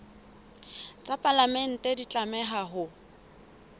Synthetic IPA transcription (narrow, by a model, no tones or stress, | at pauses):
t͡sʼapʼalamɛn̩tʼɛdit͡ɬʼamɛɦaɦʊ